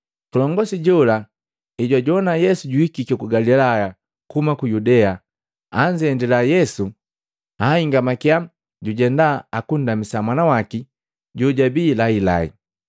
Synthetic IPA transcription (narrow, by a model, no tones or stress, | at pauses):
kulɔŋɡɔsiɟɔla | iɟwaɟɔnajɛsuɟuhikikɔkuɡalilaja | kumakujudɛa | aɲd͡ʒiɛndilajɛsu | aiŋɡamakiam | ɟuɟɛndaakun̩damisamanawaki | ɟuɟabiːlaila̰ḭ